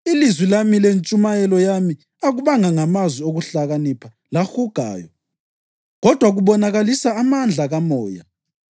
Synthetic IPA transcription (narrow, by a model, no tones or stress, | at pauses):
ilizwilamilent͡ʃʼumajɛlɔjami | aɣuβaŋaŋamazwioɣuɬaɣanipʰa | laxuɡ̥ʱa̰ːjɔ̰ | ɣɔd̥ʱwaɣuβɔnaɣalisaːmand͡ɮʱaɣamɔːja̰